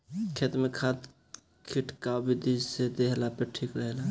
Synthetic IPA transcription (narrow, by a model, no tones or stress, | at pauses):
kʰet̪mekʰat̪ | kʰiʈʰkawbʱid̪id͡ʒsed̪eɦlapeʈʰikɾəɦela